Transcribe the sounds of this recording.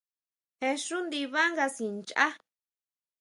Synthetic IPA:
he˧ʂu˦nd̪i˧βa˦ŋɡa˧si˨nt͡ʃa̰˦

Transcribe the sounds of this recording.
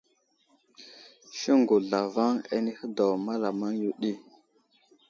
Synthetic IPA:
ʃə˦ŋɡu˨ɮa˨va˦ŋḛ˦ni˦hə˦da˨wma˦la˨ma˦ŋju˦ɗi˦˨

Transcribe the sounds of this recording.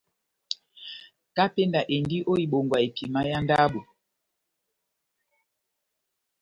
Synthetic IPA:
ka˦pe˦nda˨ʔe˨ndi˦ʔo˦i˨ɓo˨ŋɡwa˨e˨pi˨ma˦ja˦nda˦ɓo˨

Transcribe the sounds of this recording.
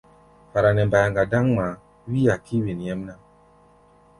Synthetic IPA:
fa˨ɾa˨nɛ˨mba˨ja˨ŋɡa˨da˦ŋma˨ | wi˦a˨ki˦wi˨n˨jɛ˦m˦na˦

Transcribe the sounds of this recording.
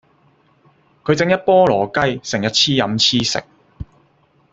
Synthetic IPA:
kʰɵ˨˧ɥt͡sɪ˧ŋjɐ˥t̚pɔː˥lɔː˨˩kɐ˥jsɪ˨˩ŋjɐ˥t̚t͡sʰiː˥jɐ˨˧mt͡sʰiː˥sɪ̰˨k̚

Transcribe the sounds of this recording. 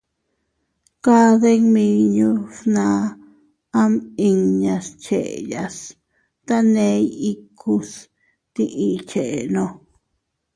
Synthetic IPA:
ka˦ðe˦ŋmĩ˧ɲũ˦snã˧˦ | a˦mi˧ŋɲã˧st͡ʃe˨ʔḛ˨ja˧s | t̪a˦nẽ˧˦i˦kʰu˦˧s | t̪i˧ʔi˧t͡ʃe˨e˨nõ˧

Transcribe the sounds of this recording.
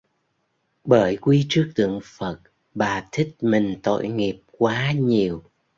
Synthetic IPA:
ɓəː˧˩jkwi˧t͡ɕɨ˦˥ək̚t̪ɨ̰˧˨əŋfə˨˩t̚ | ɓaː˨˩t̪ʰï˦˥k̚mï˨˩ŋ̟t̪o̰˧˨jŋi˨˩əp̚kwaː˨˦ɲi˨˩əw

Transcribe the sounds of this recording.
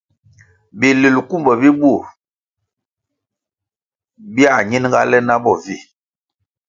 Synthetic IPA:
bi˨li˨lku˦mbə˨bi˦bu˦˨ | bi˦a˨ɲi˦n˦ŋɡa˦lɛ˦na˦bɔ˦˨vi˦˨

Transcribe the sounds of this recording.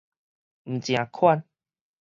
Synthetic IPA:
m̩˨t͡ɕj̃ã˨˩kʰwa˥˧n

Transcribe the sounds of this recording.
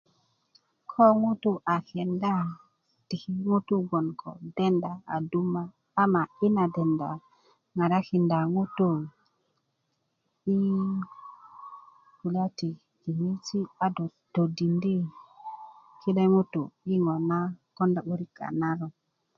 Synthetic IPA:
kʰo˦ŋu˦tu˦ʔa˨ke˨nda˦ | ti˨ki˦ŋu˦tu˦ɡo˨nkʰo̰˨de˦nda˨a̰˨du˦maː˦ | ma˨i˦na˨de˨nda˨ | ŋa˨ɾa˦ki˨nda˨ŋu˦tu˦ | i˦ | ku˨la˦ti˨ | di˨ŋi˦ti˦a˨do˨ | d̥o˨di˨ndi˦ | ki˦le˦ŋu˦tu˨i˦ŋo˨na˦ko˦nda˨ɓu˦ɾi˦ka̰˨na˦ɾo˨

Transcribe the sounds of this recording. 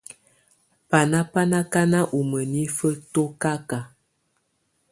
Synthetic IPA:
pa˨na˦pa˦na˦ka˦na˦ʔu˨mə˨ni˦fə˦to˦ka˦ka˨

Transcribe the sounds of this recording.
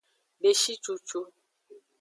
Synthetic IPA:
be˨ʃi˦t͡ʃu˨t͡ʃu˦

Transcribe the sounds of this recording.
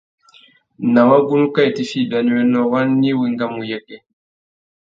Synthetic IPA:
na˨wa˦ɡu˦nu˦ka˦i˨ti˨fi˦˨da˨ni˨wɛ˦nɔ˨wa˦nːi˦wi˨ŋɡa˦mu˨jɛ˦kɛ˦

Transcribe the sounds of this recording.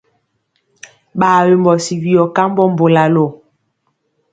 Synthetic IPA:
ɓaː˨we˨mbɔ˨si˨wi˨ɔ˨ka˦m˦bɔ˦m̩˦bo˨la˨lɔ˨

